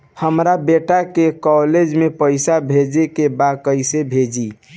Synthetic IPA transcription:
həmɾabeʈakekɔled͡ʒmepəɪsabʱed͡ʒekebakəɪsebʱed͡ʒi

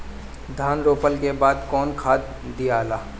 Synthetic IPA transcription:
d̪ʱaːnɾoːpəlkebaːd̪kɔːnkʰaːt̪ | d̪ijaːlaː

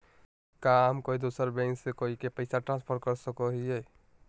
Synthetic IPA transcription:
kaɦəmkoːid̪osəɾbɛ̃ŋksekoikepəɪsaʈɾãnspʰəɾkəɾsəkoɦie

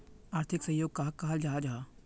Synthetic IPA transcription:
aːɾt̪ʰɪksə̃joːɡ̚kaɦ̚kaɦld͡ʒaːad͡ʒaa

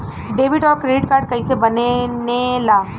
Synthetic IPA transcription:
ɖeːʋɪʈɔːɾkɾeɖɪʈkaːɾɖ̚kəɪsebənenelaː

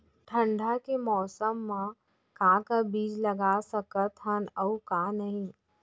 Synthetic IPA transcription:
ʈʰə̃ɳɖʱakemɔːsəmːã | kɦãkabiːd͡ʒlɐɡaːsəkət̪ɦənəukãːnəɦĩ

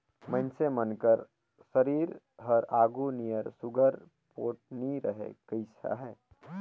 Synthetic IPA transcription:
mə̃nsemənkəɾ | səɾiːɾ | ɦəɾaːɡunijəɾsʊɡəɾ | poːʈ̚niɾəɦḛkəɪsa̰ɦɛː

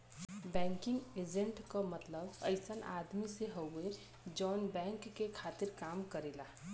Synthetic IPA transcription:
bɛ̃ːŋkɪ̃ŋɡeːd͡ʒẽɳʈkamət̪ləbəɪsəna̰ːd̪miseɦəwe | d͡ʒɔːnbɛ̃ːŋkːekʰaːt̪ɪɾkaːmkəɾeːlaː

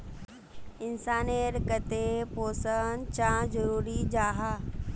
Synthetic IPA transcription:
ɪnsaːneːɾkət̪epoːsənt͡ɕãːzɐɾuːɾid͡ʑaːɦaː

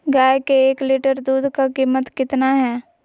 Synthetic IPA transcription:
ɡaːekeeːkliʈəɾd̪uːd̪kakiːmət̪kɪt̪naɦɛː

